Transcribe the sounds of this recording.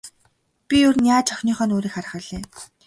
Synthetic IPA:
pʲiʊrnjaːt͡ɕʰɔxʲniːχœːnoːɾiːkχaɾə̆χə̆ɮeː

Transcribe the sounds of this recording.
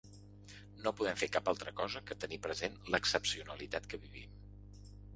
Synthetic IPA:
nopuðɛmfekapalˠt̪ɾəkɔzəkət̪ənipɾəzenləksəpsiunəlit̪at̪kəβiβḭm

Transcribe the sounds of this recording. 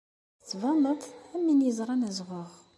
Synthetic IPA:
t͡sːvɑmət̪ˤæmːinjəzɾˤɑnæzʁʊʁ

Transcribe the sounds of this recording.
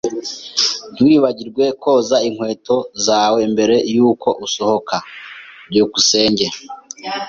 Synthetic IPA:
n̥wiːβaɟiɾɡwe̞kʰo̞ːzaiŋ̥we̞ːto̞zaːwembe̞ɾe̞juːkʰo̞ʔuso̞ho̞kʰaɾɟuːkuse̞ːɲɟe̞

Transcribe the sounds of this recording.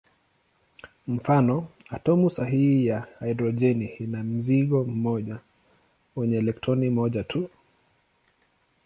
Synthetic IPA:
m̩fanɔatɔmusaɦihijaaidɾɔd͡ʒɛniinam̩ziɠɔm̩mɔʄa | wɛɲɛːlɛktʰɾɔnimɔʄatʰu

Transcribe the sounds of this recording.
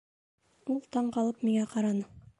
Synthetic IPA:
ulˠt̪ɑɴqɑlˠɤpmiŋæqɑɾɑnɤ

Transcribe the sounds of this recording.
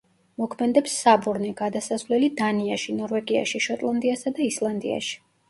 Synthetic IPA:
mɔkʰmɛd̪ɛpsːabuɾnɛɡad̪asasvlɛlid̪aniaʃinɔɾvɛɡia̰ʃiʃɔt̪ʼlˠand̪iasad̪aislˠand̪ḭa̰ʃi̥

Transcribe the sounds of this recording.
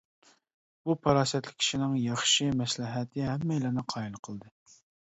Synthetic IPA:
b̥upʰɑɾɑːsɛt̪lɪ̥kʲʰi̥ʃinɪŋjɑχʃɨmɛslɪɦɛt̪ʰɪɦɛmːɛjlɪnɪqʰɑilˠqʰəlˠd̪ɨ

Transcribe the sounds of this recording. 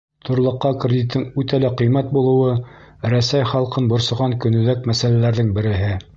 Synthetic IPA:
t̪ʰŏɾlˠɤ̆qːɑkrʲɪd̪ʲit̪ːɤŋʉt̪ælæqɤ̆jmæt̪̚bulˠɤ̆wɤ | ɾæsæjχɑlˠqɤnbŏɾsɤ̆ʁɑŋkɵ̆nɵ̆ðækmæsælælæɾðɘŋbɘ̆ɾɘ̆ɦɘ

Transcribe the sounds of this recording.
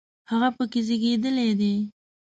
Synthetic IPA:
haɣapəkezeɡed̪əled̪e

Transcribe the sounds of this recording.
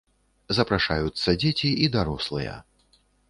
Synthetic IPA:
zɐpɾaʂajut̪sːɐd͡zʲet͡sʲiʔid̪aɾɔslˠɨjɐ̰

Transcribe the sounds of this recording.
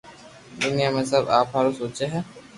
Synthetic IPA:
d̪unijaːmẽsɐbaːpɦaɾusoːt͡ʃeɦɛ

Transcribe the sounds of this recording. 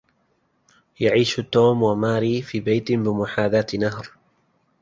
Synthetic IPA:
jaʕiːʃt̪ːoːmwamaːɾiːfiːbajt̪ɪbɪmʊħaːðaːt̪naɦɾ

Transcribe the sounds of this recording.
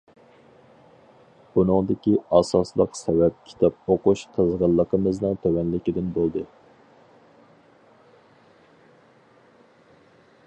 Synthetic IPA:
b̥unɨŋd̪ɪkʲiɑsɑslˠəqsɛwɛp̚kʲʰi̥t̪ʰɑp̚oquʃt̪ʰɑzʁɑlˠːəqʰəmɨznɨŋt̪ʰøwɛnlɪkʲid̪ɪnbolˠd̪ɨ

